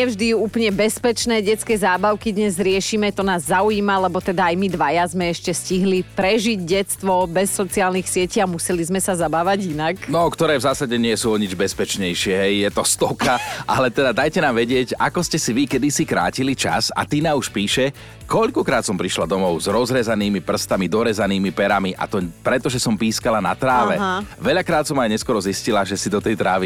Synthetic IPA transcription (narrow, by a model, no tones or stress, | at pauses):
ɛvʒd̪iuuːplɲɛbɛspɛt͡ʃnɛːɟɛt͡skɛːzaːbaʊkid̪ɲɛzɾɪɛʃimɛt̪ɔnaːzːaujiːmalɛbɔt̪ɛd̪aajmid̪ʋajazmɛɛʃcɛsciɦlipɾɛʒiɟɟɛt͡st̪ʋɔbɛsːɔt͡siaːlnixsɪɛciːamusɛlizmɛsazabaːʋaɟinaknɔkt̪ɔɾɛːvzaːsaɟɛɲɪɛsuːɔɲid͡ʒbɛspɛt͡ʃɲɛjʃɪɛɦɛjjɛt̪ɔst̪ɔkʰaʔalɛt̪ɛd̪ad̪ajcɛnaːmʋɛɟɪɛca̰kɔscɛsiʋikɛd̪isikɾa̰ːcilit͡ʃa̰sa̰t̪inauʃpiːʃɛ | kɔʎkɔkɾaːt̪sɔmpɾiʃlad̪ɔmɔʊzɾɔzɾɛzaniːmipr̩st̪amid̪ɔɾɛzaniːmipɛɾamiʔa̰t̪ɔpɾɛt̪ɔʒɛsɔmpiːskalana̰t̪ɾaːʋɛʋɛʎakɾaːt̪sɔmajɲɛskɔɾɔziscilaʒɛsid̪ɔt̪ɛjt̪ɾaːʋi